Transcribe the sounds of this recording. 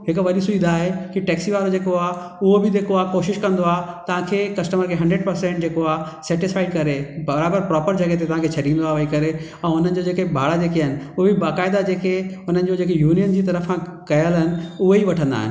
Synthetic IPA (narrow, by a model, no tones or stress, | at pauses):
ɦɪkʋɐɗisuĩnd̪d̪aːɦekiʈɛːksiʋaːɾod͡ʑeːkoaːɦ | ʊɦobɪd̪eːkoaːkoːʃɪʃkɐ̃nd̪oaːt̪ɐʋ̤ãkʰekɐsʈəməɾkʰeɦɐ̃ɳɖɾəɖ̚pɐɾsɛ̃ɳʈ̚d͡ʑeːkoaː | sɛːʈɪsfaːɪɖkɐɾebɐɾaːbəɾpɾɔːpəɾd͡ʑɐɡəɦet̪̬et̪ɐʋ̤ãkʰet͡ɕʰɐɗĩnd̪oaːʋɐikɐɾe | ɛ̃ːʊn̤ənɪ̆d͡ʑod͡ʑeːkebʱaːɽad͡ʑeːkeɦəɪnɪ̆ʊɦobɪbaːkaːɪd̪ad͡ʑeːkeʊn̤ənɪ̆d͡ʑod͡ʑeːkejuːnijənd͡ʑiːt̪ɐɾəfãkɐjəlɦɪnɪ̆ʊɦeiʋɐʈʰə̃nd̪a̰ːɦɪ̰nɪ